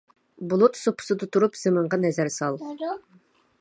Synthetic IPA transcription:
bulˠut̪sopʰːʊ̥sɨd̪ɨt̪ʰuɾupz̥emɨɴʁɑnɛzæɾsɑlˠ

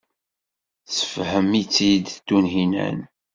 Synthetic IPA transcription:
t͡sə̥fhəmit͡sːid̪t̪ːunɦinæ̰n

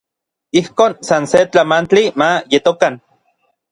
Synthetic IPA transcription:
ihkoːnsanset͡ɬamant͡ɬimajet̪okan

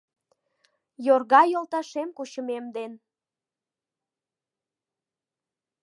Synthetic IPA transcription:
jorɣɑjolt̪ɑʃemkuɕəmemd̪en

